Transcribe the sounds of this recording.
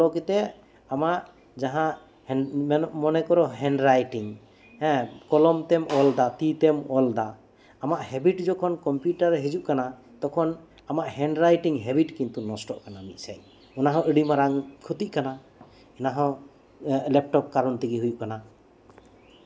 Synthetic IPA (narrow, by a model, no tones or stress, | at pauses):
lɔkɛt̪ɛ | amaʔ | d͡ʒaɦãʔ | hɔmɔnɛkɔɾɔɦɛnɖɾajʈiŋ | hɛ̃kɔlɔmt̪ɛmɔld̪at̪it̪ɛmɔld̪aː | maʔhɛbiʈd͡ʒɔkʰɔnkɔmpjuʈaɾɦɛd͡ʒuʔkana | t̪ɔkʰɔn | amaʔhɛnɖɾajʈiŋɦɛbiʈkint̪unɔsʈɔʔkanamit̪̚saj | ɔnaɦɔ̃ʔəɽimaɾaŋkʰut̪iʔkana | ɛnaɦɔ̃ | lɛp̚ʈɔp̚kaɾɔnt̪iɡiɦujuʔkana